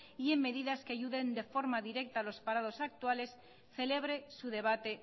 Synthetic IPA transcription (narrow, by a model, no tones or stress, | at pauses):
ie̞mːe̞ðiðaskeaʝuðe̞nd̪efo̞ɾmaðiɾe̞k̚t̪alo̞spaɾað̞o̞sak̚t̪uale̞s | θe̞le̞β̞ɾe̞suðe̞β̞at̪e̞